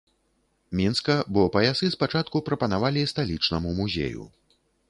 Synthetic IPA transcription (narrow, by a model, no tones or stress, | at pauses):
mʲinskɐbɔpɐjasɨspat͡ʂat̪kupɾɐpɐnavalʲist̪alʲit͡ʂnɐmumuzʲḛjṵ